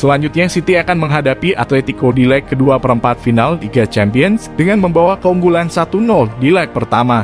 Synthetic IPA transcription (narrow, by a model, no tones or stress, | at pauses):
səlaɲd͡ʒut̪̚ɲasit̪iakanməŋɦadapiʔa̰t̪let̪ikodilɛkːəduapəɾəmpat̪̚finalt̪iɡat͡ʃɛmpiənsdəŋanməmbawakəuŋɡulansat̪unɔldilɛk̚pərt̪ama